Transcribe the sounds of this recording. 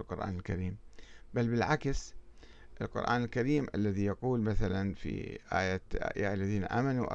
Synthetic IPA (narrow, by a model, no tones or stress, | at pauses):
lqʊɾʔa̰ːnɪlkaɾiːmbalːbɪlʕaks | ʔɪlqʊ̰ɾʔa̰ːnɪlkaɾiːmʔalːaðijɑquːlmaθalanfḭʔa̰ːjat̪ʔa̰ːja̰ʔalːaðiːnaʔaːmanuʔɑ̰